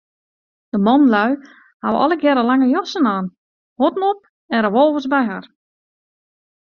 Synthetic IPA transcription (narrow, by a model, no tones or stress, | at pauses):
d̥əmɔnlœɥ | ha̰ʋɔ̰lˠəɡjɛɾəlaŋəjɔsənaːn | hotnop̚ | ɛnrəʋolˠvəsbɛjɦar